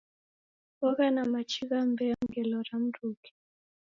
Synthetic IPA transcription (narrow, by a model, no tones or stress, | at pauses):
ɔɣanamat͡ʃiɣam̩bɛaŋ̩ɡɛlɔɾam̩ɾuki̥